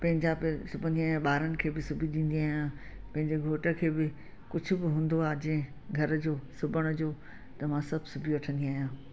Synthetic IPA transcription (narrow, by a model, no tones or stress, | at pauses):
pɐ̃ɦɪ̃ɲd͡ʑapsʊbʱə̃nd̪iaːɦijãɓaːɾənɪ̆kʰeːbɪsʊbʱiɗ̪ĩːn̆d̪iaːɦijãpɐ̃ɦɪ̃ɲd͡ʑeɡʱoːʈə̆kʰeːbɪ | kʊd͡ʑʱʊ̆bɪɦũːn̆d̪oaːd͡ʑɐ̃ɦɪ̃ | ɡʱɐɾd͡ʑoːsʊbəɽ̃ʊ̆d͡ʑoː | t̪ɐmãsɐbʱɪsʊbʱijoɐʈʰə̃nd̪iaːɦijãː